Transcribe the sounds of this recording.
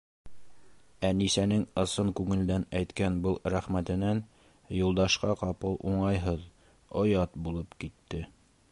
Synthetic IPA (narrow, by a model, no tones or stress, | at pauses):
ænisænɘŋɤ̆sɤŋkʉŋɘ̆ld̪ænæjt̪kænbɤlˠɾæχmæt̪ɘ̆næn | julˠd̪ɑʃqɑqɑpɤlˠʔuɴɑjɦɤð | ŏjɑt̪bulˠɤpkit̪ːɘ